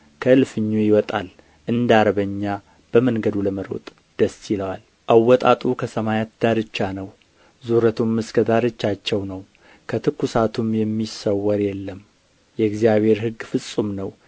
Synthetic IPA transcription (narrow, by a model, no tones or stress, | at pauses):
kʰəɨlfɨɲːujɪwɔt̪ʼal | ʔɨnd̪aɾəβəɲːa | b̥əmənɡəd̪uləməɾo̰t̪ʼ | d̪̥əsɪləwal | ʔawːɔt̪ʼat̪ʼukʰəsəmajat̪d̪aɾɨt͡ʃːanəw | zuɾət̪ʰumːɨskʰəd̪aɾɨt͡ʃːat͡ʃːɛwnəw | kʰət̪ʰɨkʰːusat̪ʰumjɛmːisəwːəɾjɛlːəm | jɛɡzijaβe̞ɾɦɨɡfɨsʼumnəw